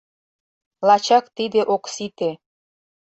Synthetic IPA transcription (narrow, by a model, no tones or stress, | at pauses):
lɑt͡ɕɑkt̪id̪eʔoksit̪e